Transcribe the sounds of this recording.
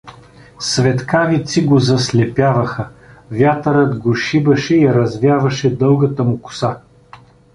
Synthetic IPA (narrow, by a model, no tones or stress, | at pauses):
svɛt̪kavit̪siɡozɐslɛpʲjavɐxəvʲjat̪əɾət̪ɡoʃibɐʃɛiɾɐzvʲjavɐʃɛd̪ɤlˠɡɐt̪ɐmʊkʊ̥sa